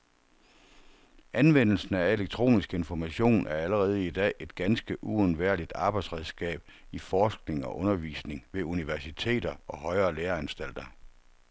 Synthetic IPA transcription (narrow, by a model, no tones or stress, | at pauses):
ʔænʋen̰l̩sn̩æe̝leɡ̥̚t͡sʰʁo̝̰ːnisɡ̥əe̝nfɒmæɕo̝̰ːnʔæɐæləʁɛːð̞̩ˠəid̥ɛ̰ːe̝d̥ɡ̥ænsɡ̥əʔuonʋæɐ̰lid̥ɑ̈ːb̥ɑ̈ɪd̥sʁɛðˠsɡ̥ɛ̰ːb̥ifɒːsɡ̥ne̝ŋɒ̽ʔɔ̽nɐʋḭːsne̝ŋʋe̝uniʋæɐsit͡sʰe̝̰ːd̥ɐɒ̽hɒ̽ɪɐːleːɐænsd̥æl̰d̥ɐ